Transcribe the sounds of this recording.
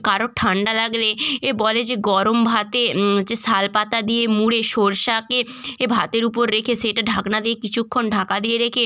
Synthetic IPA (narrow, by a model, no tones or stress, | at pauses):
kaɾoʈʰaɳɖalaɡleebɔled͡ʑeɡɔɾombʱat̪ed͡ʑesalpat̪ad̪ijemuɽeʃoɾʃakeebʱat̪eɾup̬oɾːekʰeʃeʈaɖʱaknad̪iekit͡ɕʰukʰːonɖʱakad̪ieɾekʰe